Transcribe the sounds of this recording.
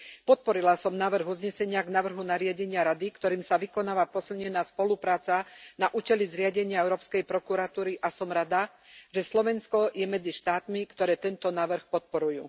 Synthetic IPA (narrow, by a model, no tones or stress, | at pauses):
pɔt̪̚pɔɾilasɔmnaːʋr̩ɣuzɲɛsɛɲɪaɡnaːʋr̩ɦunaɾɪaɟɛɲɪaɾad̪ikt̪ɔɾiːmsaʋikɔnaːʋapɔsilɲɛnaːspɔlupɾaːt͡sanaʔuːcɛlizɾɪaɟɛɲɪaɛʊɾɔːpskɛjpɾɔkuɾat̪uːɾiʔasɔmɾad̪a | ʒɛslɔʋɛnskɔjɛmɛd͡ziʃt̪aːt̪mikt̪ɔɾɛːt̪ɛnt̪ɔnaːʋr̩xpɔt̪̚pɔɾujuː